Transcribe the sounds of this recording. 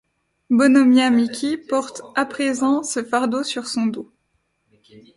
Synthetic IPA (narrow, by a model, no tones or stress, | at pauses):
bɔnɔmjamikʲipɔʁt̪apχezɑ̃səfaʁd̪osyʁsɔ̃d̪o